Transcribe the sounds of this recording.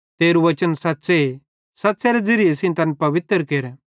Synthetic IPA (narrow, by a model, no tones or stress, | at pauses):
t̪eːɾuʋɐt͡ʃənsɐt̪ːse | sɐtːseɾed͡zɪɾɪjesĩnt̪ɐnpɐʋɪt̪ɾkeːɾɛ